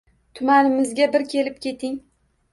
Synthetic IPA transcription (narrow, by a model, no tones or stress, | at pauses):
t̪ʰʊmanɪmɪzɡʲabɪɾkʲʰe̞lɪp̚kʲʰe̞t̪ʰɪŋ